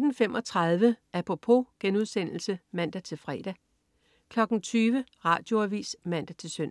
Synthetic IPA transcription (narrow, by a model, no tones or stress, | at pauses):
d̥n̩fem̰ʔɒt͡sʰʁɑ̈ð̞ˠʋəʔæpʰo̝pʰo̝ɡ̥enuðˠsen̰l̩səmæn̰d̥æt͡sʰe̝lfʁɛːd̥æ | kʰlɒ̽ɡ̥n̩t͡sʰyːʋəʁɑ̰̈ːd̥jo̝æʋḭːsmæn̰d̥æt͡sʰe̝lsøn̰